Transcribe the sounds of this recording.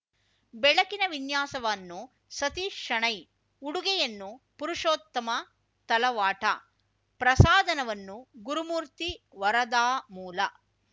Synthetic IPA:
bɛɭɐkinɐʋinjaːsɐʋɐːnːu | sɐt̪iːkʂɐɳɐj | uɽuɡɛjɐnːupuɾuʂoːt̪ːɐmɐ | t̪ɐlɐʋaːʈɐ̰ | pɾɐsaːd̪ʱɐnɐʋɐnːuɡuɾumuːɾt̪i | ʋɐɾɐd̪aːmuːlɐ̰

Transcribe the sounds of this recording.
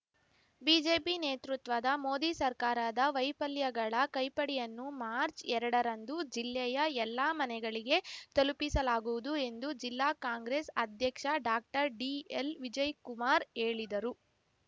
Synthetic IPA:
biːd͡ʒe̞ːpineːt̪ɾut̪ʋɐd̪ɐmo̞ːd̪isɐɾkaːɾaːd̪ɐʋɐjpɐljɐɡɐɭɐkɐjpɐɽiɛjɐnːumaːɾt͡ʃɛɾɐɽɐɾɐnd̪ud͡ʒilːɛjɐɛlːaːmɐnɛɡɐɭiɡe̞t̪ɐlupisɐlaːɡuʋud̪ue̞nd̪ud͡ʒilːaːkaːŋɡɾesɐd̪ʱjɐkʂɐɖaːk̚ʈɐɾɖielʋid͡ʒɐjkumaːɾe̞ːɭid̪ɐɾu

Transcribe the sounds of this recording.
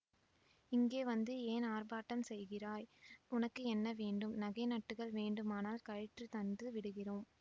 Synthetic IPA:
ɪŋɡeːʋɐnd̪ɯeːnaːrbaːʈːɐmsɛjɣɪraːjʊnɐkːɯɛnːɐʋeːɳɖɯmnɐɣɐɪnɐʈːɯɣɐɭʋeːɳɖɯmaːnaːlkɐɻɪʈrɯt̪ɐnd̪ɯʋɪɽɯɣɪroːm

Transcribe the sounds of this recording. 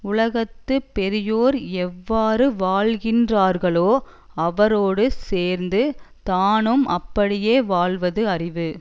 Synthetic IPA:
ʊɭɐɣɐt̪ːɯpːɛɾɪjoːɾɛʋːaːɾɯʋaːɭɣɪndraːɾɣɐɭoː | ɐʋɐɾoːɽɯseːɾnd̪ɯt̪aːnɯmʔɐpːɐɽɪjeːʋaːɭʋɐðɯɐrɪʋɯ

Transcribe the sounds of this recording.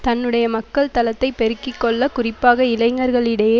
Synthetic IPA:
t̪ɐnːɯɽɐjɐmɐkːɐɭt̪ɐlɐt̪ːɐɪpːɛɾɯkːɪkːɔɭːɐkʊrɪpːaːɣɐɪlɐɪŋɡɐɾɣɐɭɪɽɐjeː

